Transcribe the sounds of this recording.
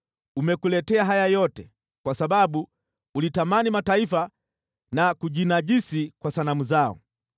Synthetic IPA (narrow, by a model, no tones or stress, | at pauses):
umɛkulɛtɛaɦajajɔtɛ | kwasabaɓu | ulitamanimataifa | nakuʄinaʄisikwasanamuzaɔ̰